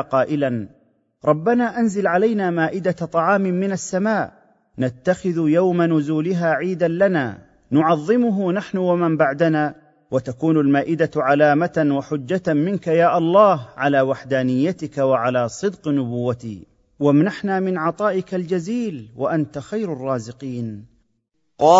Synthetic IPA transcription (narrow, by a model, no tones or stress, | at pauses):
qɑːʔɪlan | ɾˤɑbːanaːʔanzɪlʕalajnaːmaːʔɪd̪at̪ˤɑʕɑːmɪmɪnasːamaːʔ | nat̪ːaxɪðjawmanʊzuːlɪɦaːʕiːd̪anlana̰ː | nʊʕɑðˤːɨmʊɦʊnaħnʊwamambaʕd̪anaː | wat̪akuːnalmaːʔɪd̪aʕalaːmat̪waħʊd͡ʒːamɪnkajaːʔɑlˤːɑːɦʕalaːwaħd̪aːnɪjːat̪ɪkawaʕalaːsˤɨd̪qnʊbʊwːat̪ḭː | wamnaħnaːmɪnʕɑt̪ˤɑːʔɪkald͡ʒaziːlwaʔant̪axajɾɑrˤːɑːzɪqiːn